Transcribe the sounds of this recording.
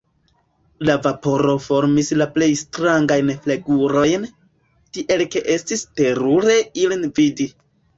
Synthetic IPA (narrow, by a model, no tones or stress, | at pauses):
lavapo̞ɾo̞fo̞ɾmislaple̞jstɾaŋɡajnfleɡuɾo̞jn | tiʔe̞lke̞ʔe̞stiste̞ɾuɾe̞ilinvidi